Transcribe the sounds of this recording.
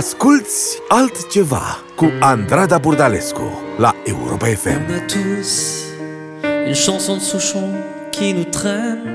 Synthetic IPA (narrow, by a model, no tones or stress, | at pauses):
askylt̪salt̪t͡ʃəva̰ | kũãnd̪ɾad̪abuɾd̪alɛskṵlaewɾɔ̰paɛfɛ̰mat̪ʰus | ynʃɑ̃sɔ̃d̪əsuʃɔ̃ | kʲʰiɛnut̪χɛ̃